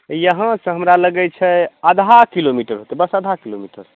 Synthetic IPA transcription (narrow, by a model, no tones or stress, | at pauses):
jəɦãsə̃ɦəmɾaləɡɛt͡ʃʰɛəd̪ʱakilomiʈəɾɦot̪ɛbəsəd̪ʱakilomiʈəɾ